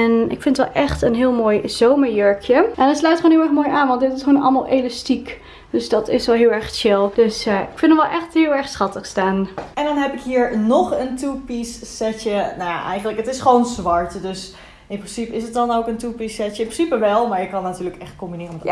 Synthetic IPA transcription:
ɛnɪ̰kfɪ̃nətʋɛ̰lˠʔɛχtənɦɪːlˠmoːjz̥owməɹjøɹkʰjəʔɛndɑtslœɥjtχoːnɪlˠɛɹχmoːjaːnʋɑntdɪtɪsχoːnɑ̰lˠma̰lˠʔelɑstik | d̥øsdɑtɪsʋɛlˠɦɪːlˠɛɹχt͡ʃɪlˠd̥øsɪkfɪnəmʋɛlˠʔɛxtɦɪːlˠɛɹχsχɑtəχstaːnɛndɑnɦɛpɪkɦiːɹnɔχəntupisːɛtjənaja̰ʔɛjχənləkətɪsχʋownzʋɑɹtdøs | ɪnprɪnsipəɪsət̚dɑnowkəntupisɛjəɪnprsipəʋɛlˠmaːɹjəkːɑnːatyːləkɛχtkɔmbinɪːrəmɛ

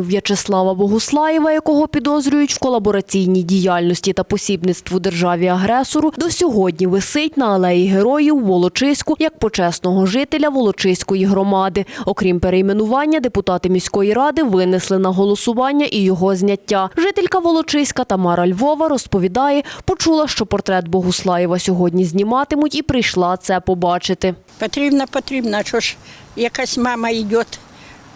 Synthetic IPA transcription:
wjɐt͡ʃeslˠɑʋɐbɔɦʊslˠɑjɛʋɐjɐkɔɦɔpʲid̪ɔzɾʲʊjʊtʲwkɔlˠɐbɔɾɐt͡sʲijnʲidʲijɑlʲnɔsʲtʲit̪ɐpɔsʲibnɪt̪st̪ʋʊd̪erʒɑʋʲiɐɦɾɛsɔɾʊd̪ɔsʲɔɦɔdʲnʲiʋɪsɪtʲnɐɐlˠɛjiɦeɾɔjiwːɔlˠɔt͡ʃɪsʲkʊjɐk̚pɔt͡ʃɛsnɔɦɔʒɪt̪elʲɐʋɔlˠɔt͡ʃɪsʲkɔjiɦɾɔmɑd̪ɪɔkɾʲimpeɾejmenʊʋɑnʲːɐd̪epʊt̪ɑt̪ɪmʲisʲkɔjiɾɑd̪ɪʋɪnɪslˠɪnɐɦɔlˠɔsʊʋɑnʲːɐʔijɔɦɔzʲnʲɐtʲːaʒɪt̪elʲkɐʋɔlˠɔt͡ʃɪsʲkɐt̪ɐmɑɾɐlʲʋɔʋɐɾɔspɔʋʲid̪ɑjɛpɔt͡ʃulˠɐʃt͡ʃɔpɔrt̪ɾɛt̪bɔɦʊslˠɑjiʋɐsʲɔɦɔdʲnʲizʲnʲimɑt̪ɪmʊtʲipɾɪjʃlˠɑt̪sɛpɔbɑt͡ʃɪt̪ɪ | pɐt̪ɾʲibnɐpɔt̪ɾʲibnɐt͡ʃɔʃ | jɐkasʲmɑmɐidʲɔt̪

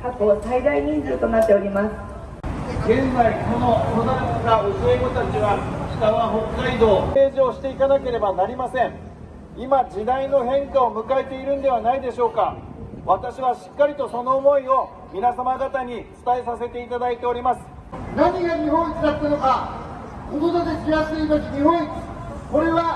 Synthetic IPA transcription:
kakosaid̪aiɲĩnzɨːt̪o̞nat̪ːe̞o̞ɾʲimasɨ̥ | ɡẽ̞nzaiko̞no̞t̪od̪ãkɨɡaɯ̟sɨeɡo̞t̪at͡ɕiβat͡ɕi̥t̪aβaɦo̞kːaid̪o̞ːe̞ːʑio̞ɕi̥t̪e̞ikanake̞ɾe̞banaɾʲimasẽ̞ŋ | imad͡ʑid̪aino̞ɦẽ̞ŋkaomɯ̟kae̞t̪e̞iɾɯ̟̃nd̪e̞β̞anaid̪e̞ɕo̞ːkaβat̪aɕiβaɕi̥kːaɾʲit̪o̞so̞no̞ːmo̞io̞ | mʲinasamaɡat̪aɲ̟it͡sɨ̥t̪ae̞sase̞t̪e̞it̪ad̪ait̪e̞o̞ɾʲimasɨ̥ | naɲʲiɡaɲiɦõ̞t͡sɨ̥k̪at̪ːanoka | kot̪od̪at̪ekʲijasɨiːt̪okʲiɲiɦõ̞ɰ̃t͡sko̞ɾe̞βa

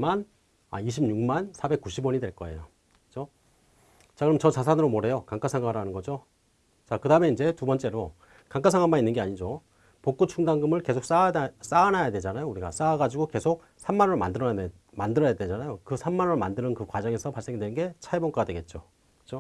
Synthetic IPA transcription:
man | a̰iɕ̬ʰibmɲuŋmansʰabe̞k̚k͈uɕʰibwʌɲidwe̞ɭk͈ʌe̞̰jo | kɯ̥t͡ɕo | t͡ɕakɯɾʌmt͡ɕʌt͡ɕas̬ʰanɯɾomoɾe̞jokaŋk͈asʰaŋɡaɾanɯnɡʌd͡ʑo | t͡ɕakɯdaɯmeind͡ʑe̞tubʌnt͡ɕ͈e̞ɾo | kaŋk͈ʰas̬ʰaŋɡanmaninːɯnɡe̞aɲid͡ʑo | pok͈ut͡ɕʰuŋdaŋɡɯmɯɭke̞sʰok̚s͈as͈aːnajadwed͡ʑanajouɾiɡa̰s͈aːɡad͡ʑiɡoke̞sʰok̚ | sʰamːanɯɾɭoma̰ndɯɾʌja | mandɯɾʌjadwe̞d͡ʑanajokɯsʰamːanɯɭomandɯɾɯnkɯkwad͡ʑʌŋe̞sʰʌpaɭs͈eŋidwe̞nɯnɡe̞t͡ɕʰaebʌŋk͈aɡadwe̞ɡe̞t̚t͡ɕ͈o | kɯ̥t͡ɕo

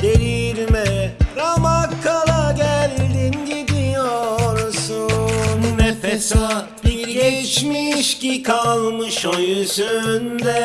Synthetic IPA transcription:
d̪̥eɾiɾmɛɾamakʰːalˠaɟælʲd̪inɟid̪ijoɾsunmɛfesa | biɾɟɛt͡ʃmiʃcikʰalˠmɯʃojysynd̪ɛ

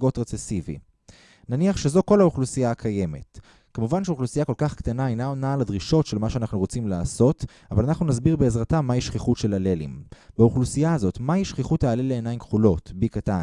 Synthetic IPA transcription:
ɡo̞tʁet͡sesivḭ | naniaχʃe̞zo̞ko̞lauχlusijaːkʰaje̞me̞t | kemuvanʃeuχlusijako̞lkaχkt̪anaajnaonaːladʁiʃo̞tʃe̞lmaʃeanaχnuʁo̞t͡simlaːso̞t | avalanaχnunasbiʁbeːzʁatamːaiʃχiχutʃe̞lale̞lḭmbauχlusijaːzo̞tmaiʃχiχutaːleleːnajimkχulo̞tbikatan

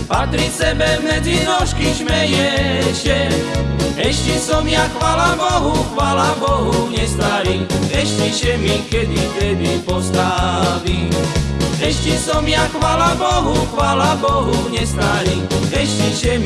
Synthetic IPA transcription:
pat̪ɾisɛbɛmɛd͡ziɾɔʃkiʃmɛjɛʃɛ | ɛʃt͡ʃisɔmjaxʋaːlabɔɦuxʋaːlabɔɦuɲɛst̪aɾiɛʃt͡ʃiʃɛmikɛd̪it̪ɛd̪ipɔst̪aʋi | ɛʃt͡ʃisɔmjaxʋaːlabɔɦuxʋaːlabɔɦuɲɛst̪aɾiɛʃciʃɛm

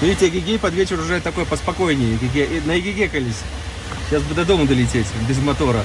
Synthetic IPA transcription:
nʊitʲeɡʲɪɡʲejpɐd̪vʲet͡ɕɪɾʊʐɛt̪ːɐko̞jəpəspɐko̞jnʲɪjɪɡʲɪɡʲeʔnəɪɡʲɪɡʲekɐlʲisʲ | ɕasbɨd̪ɐd̪omʊd̪əlʲɪtʲetʲbʲɪzmɐt̪oɾə

